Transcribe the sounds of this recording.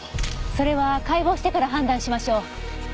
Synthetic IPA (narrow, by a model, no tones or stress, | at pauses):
so̞ɾe̞βakaibo̞ːɕi̥t̪e̞kaɾaɦãnd̪ãɰ̃ɕimaɕo̞ː